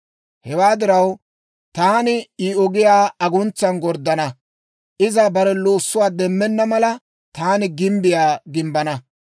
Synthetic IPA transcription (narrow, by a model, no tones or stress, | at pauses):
hɛwaːd̪ɪɾɐw | t̪aːnɪiːɔɡɪjaːɐɡʊnt͡sːɐnɡɔɾd̪ːɐnɐ | ʔɪzɐbɐɾɛloːsːʊwaːd̪ɛmːɛnːɐmɐlɐ | t̪aːnɪɡɪmbɪjaːɡɪmbɐnɐ